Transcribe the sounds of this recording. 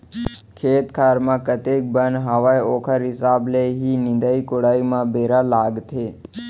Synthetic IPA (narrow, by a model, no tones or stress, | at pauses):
kʰeːt̪kʰaɾmãkət̪ek̚bənɦaʋajokʰəɾɦɪsableɦinɪ̃nd̪aikoɽaimãbeɾalaɡt̪ʰe